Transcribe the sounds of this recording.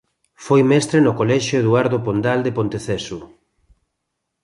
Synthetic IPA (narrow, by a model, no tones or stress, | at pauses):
fojmɛst̪ɾenokolɛʃoeðuaɾðopond̪ald̪epont̪eθɛsʊ